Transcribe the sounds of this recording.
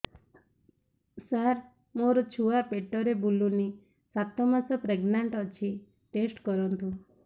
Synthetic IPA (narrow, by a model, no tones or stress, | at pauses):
saɾ | moɾot͡ʃʰuapeʈːɔɾebulːuni | sat̪ːɔmasɔpɾeɡnaɳʈɔt͡ʃʰi | ʈesʈkɔɾunt̪u